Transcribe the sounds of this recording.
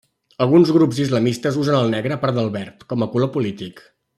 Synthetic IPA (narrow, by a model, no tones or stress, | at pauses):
əlˠɣunzɣɾupzizləmist̪əzuzənəlˠnɛɣɾəːpaɾt̪d̪əlˠβɛɾt̪kɔməkulopulit̪ik